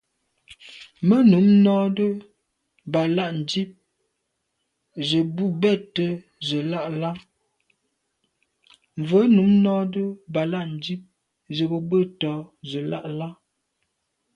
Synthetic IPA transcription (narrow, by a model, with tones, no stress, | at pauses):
mə˦nu˨˦mnɔ˦də˦ | ba˨la˦˨ʔn̩˨d͡ʒi˦p̚ | zə˨bu˦bɛ˦˨tːə˦ | zə˨la˦˨ʔla˦ | ɱ˨və˨˦nu˨˦mnɔ˦də˦ba˨la˦ʔn̩˨d͡ʒi˦p̚ | zə˨bə˨bə˦˨tɔ˨˦zə˨la̰˦ʔla˦